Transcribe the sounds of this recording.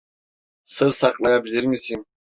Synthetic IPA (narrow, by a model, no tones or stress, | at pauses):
sɯɾsaklˠajabilʲiɾmisin